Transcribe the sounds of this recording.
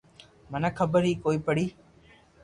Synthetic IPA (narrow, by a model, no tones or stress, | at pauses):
mənãkʰəbəɾɦiːkoːiːpəɽiː